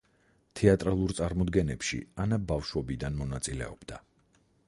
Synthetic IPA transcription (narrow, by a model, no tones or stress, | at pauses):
t̪ʰɛat̪ʼɾalˠuɾt̪sʼaɾmɔd̪ɡɛnɛpʃḭanabafʃwɔbid̪anmɔnat̪sʼilɛ̰ɔb̥d̪a